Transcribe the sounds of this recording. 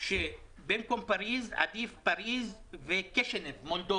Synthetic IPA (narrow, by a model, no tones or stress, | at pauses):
ʃe | benkompaɾiza̰d̪ifpaɾizvekeʃenevmold̪o